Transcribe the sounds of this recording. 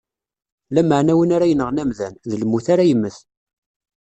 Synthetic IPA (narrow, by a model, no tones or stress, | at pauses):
læməʕnæwənaɾæjənəʁnæmðænðələmːuθaɾajəmːəθ